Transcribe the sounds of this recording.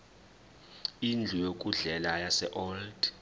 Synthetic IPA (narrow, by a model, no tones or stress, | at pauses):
ind͡ɮʱujok̬ʼuɮɛlajasɛʔɔld̥